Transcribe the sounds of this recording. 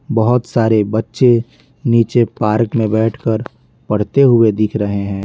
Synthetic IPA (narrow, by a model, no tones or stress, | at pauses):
bɐɦʊt̪saːɾebɐtːʃe | niːt͡ʃepaːɾkmẽbɛːʈʰkəɾ | pɐɽ̤t̪eɦʊed̪ɪkʰɾɐɦeɦɛ̃ː